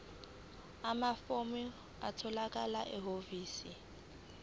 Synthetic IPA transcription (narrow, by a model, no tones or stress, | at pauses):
amafomɪ | a̰tʰɔlakʼalaʔɛɦoviːsi